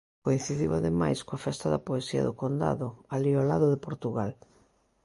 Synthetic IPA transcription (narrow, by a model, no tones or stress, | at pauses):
koin̟θiðiwaðemajskoafɛst̪aðɐpoesiɐ̰ðʊkond̪a̰ðʊaliolaðʊðɪpoɾt̪uɣal